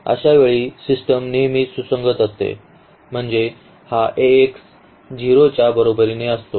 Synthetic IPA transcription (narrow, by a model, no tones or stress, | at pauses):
ə̰ɕaʋeɭiːsisʈəmniɦmit̪susəŋɡət̪əst̪ḛ | m̤əɳd͡ze | haʔeːks | d͡ʑiɾot͡ɕjabəɾobəɾineəst̪o